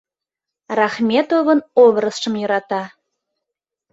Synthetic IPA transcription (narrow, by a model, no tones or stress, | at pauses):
rɑχmʲet̪ovənoβrəsʃə̆mjøɾɑt̪ɑ